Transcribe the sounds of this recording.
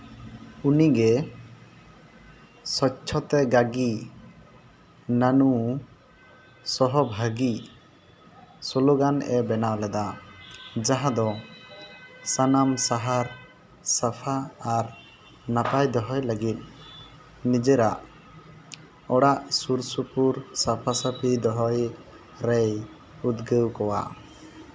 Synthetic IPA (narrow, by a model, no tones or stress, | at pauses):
uniɡɛ | sɔt͡ʃʰɔt̪ɛɡaɡi | nanu | sɔɦɔbʱaɡi | sɔloɡanɛbɛnawlɛd̪a | d͡ʒaɦãd̪ɔ | sanamsaɦaɾ | sapʰaːɾ | napajd̪ɔɦɔjləɡit̪̚ | nid͡ʒɛɾaʔ | ɔɽaʔsuɾsupuɾsapʰasapʰid̪ɔɦɔj | ɾɛj | ud̪ɡəwkɔwa̰